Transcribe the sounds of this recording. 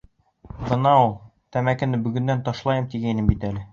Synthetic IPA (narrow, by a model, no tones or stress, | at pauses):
bɤ̆nɑulˠ | t̪æmækɘ̆nɘbɵ̆ɡɵ̆nd̪ænt̪ɒʃlˠɑjɤmt̪iɡæjnɘmbit̪ælɘ